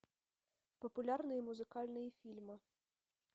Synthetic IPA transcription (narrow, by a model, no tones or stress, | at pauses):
pɔpʊlʲarnɨjimuzɨkalʲnɨjifʲilʲmɨ